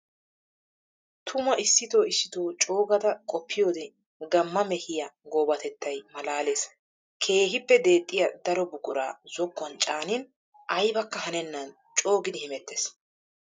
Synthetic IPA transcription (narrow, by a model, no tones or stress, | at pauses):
t̪ʰʊmɐʔɪsːɪt̪o̞ːɪsːɪt̪oːt͡ʃʼo̞ːɡɐd̪ɐkʼɔpːɪjo̞ːd̪ɛ | ɡɐmːɐmɛhɪjɐɡoːbɐt̪ɛt̪ːɐjmɐlaːleːs | kʰe̞ːɦɪpːɛd̪e̞ːt̪ʼːɪjɐd̪ɐɾɔbʊkʼʊɾa̰ːzɔkːɔnt͡ʃʼaːnɪn | ʔɐjbɐkːɐhɐnɛnːɐn | t͡ʃʼo̞ːɡɪd̪ɪhɪmɛt̪ːes